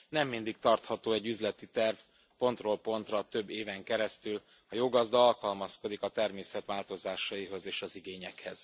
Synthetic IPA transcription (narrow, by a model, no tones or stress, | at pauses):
nɛmːind̪ik̚t̪ɒrt̪hɒt̪oːɛɟːyzlɛt̪it̪ɛrv | po̞nt̪roːlpo̞nt̪rɒt̪ø̞bːeːvɛŋkɛɾɛst̪yl | ɒjoːɡɒzd̪ɒɒlkɒlmɒsko̞d̪ikɒt̪ɛrmeːsɛt̪ʋaːlt̪o̞zaːʃɒjiɦo̞zeːʃɒziɡeːɲɛkhɛz̥